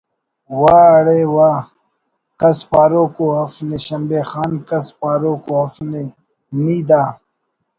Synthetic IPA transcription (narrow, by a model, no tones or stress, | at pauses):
waːɐɽeːwaː | kɐspaːɾoːkoɐfneɕɐmbeːxaːnkɐspaːɾoːkoːɐfne | miːd̪aː